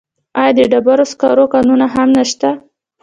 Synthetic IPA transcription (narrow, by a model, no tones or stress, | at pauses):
ɑjɑd̪əɖabaɾoskɑɾokɑnunaɦamnaʃt̪a